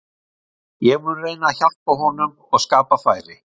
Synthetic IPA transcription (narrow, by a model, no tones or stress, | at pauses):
jɛɣmʏreːjnaçar̥paɦɔnʏm | ɔɣskaːpafaːjɾɪ